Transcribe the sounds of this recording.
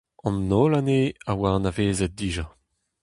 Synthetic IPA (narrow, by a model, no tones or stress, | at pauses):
ɑ̃nːolaneːawanaveːzɛt̪̚d̪iːʒa